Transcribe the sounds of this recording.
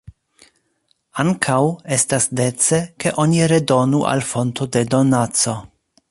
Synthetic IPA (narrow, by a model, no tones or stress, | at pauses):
aŋkʰawe̞stasde̞t͡se̞ke̞ʔo̞niɾe̞do̞nuʔa̰lfo̞nto̞de̞do̞nat͡so̞